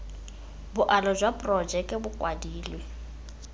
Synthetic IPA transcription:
bʊʔalɔd͡ʒwapʼrɔd͡ʒɛkʼɪbʊkʼwadiːlwe

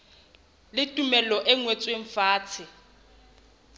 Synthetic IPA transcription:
lɪtʼumɛlɔʔɛŋwet͡sʼweɱ̩faːt͡sʰɪ

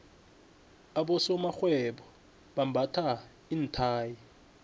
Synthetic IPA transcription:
aɓɔsɔmaxwɛɓɔ | ɓam̩bʱatʰa | in̩tʰaːji

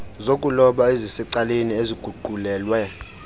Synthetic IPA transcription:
zokʼulɔɓaezisiǀalenieziɡ̥ʱuɡ͡ǃʱulɛːlwɛ

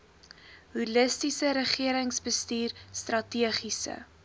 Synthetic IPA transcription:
ɦuləstisəɾəχiəɾəŋsbəstiːrstrɐtiəχisə̰

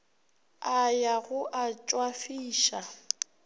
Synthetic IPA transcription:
ajaɣʊʔat͡ʃʼwafiːʃa

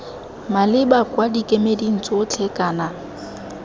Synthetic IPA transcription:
malɪbakʼwadikʼemedin̩t͡sʼot͡ɬʰekʼaːna

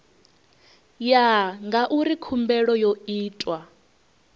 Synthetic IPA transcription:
jaŋɡaʔuɾikʰumbɛɺɔjoiːtʼwa

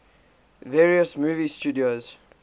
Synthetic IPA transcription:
vɛɹiəsmuːvistuːdioz

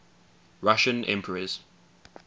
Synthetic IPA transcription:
ɹaʃə̃nʔɛ̰̃mpʰəɹəz̥

